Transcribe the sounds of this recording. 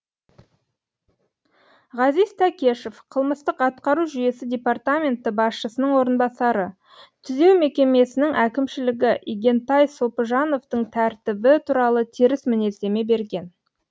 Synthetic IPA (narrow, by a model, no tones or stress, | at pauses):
ʁɑzijzt̪ʰækʲe̞ʃefqʰəlˠməst̪əqɑt̪qɑɾuʒʏje̞sɪd̪ʲe̞part̪amʲe̞nt̪ɪbɑsʃəsənəɴwo̞ɾənbɑsɑɾə | t̪ʰʏze̞wme̞kʲe̞me̞sɪnɪŋʔækʲɪmʃɪlɪɡʲɪʔiɡʲe̞nt̪ɑjsopəʒɑno̞ft̪əɴt̪ʰæɾt̪ɪbɪt̪ʰuɾɑlˠət̪ʰeɾɪsmɪne̞se̞me̞be̞ɾɡʲe̞n